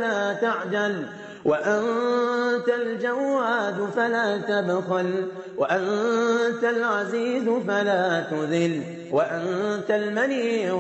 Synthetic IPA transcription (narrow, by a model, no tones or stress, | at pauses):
laːt̪aʕd͡ʒal | waʔan | t̪ald͡ʒawːaːd̪falaːt̪abxʊl | waʔant̪alʕaziːzfalaːt̪ʊðɪl | waʔant̪almaniː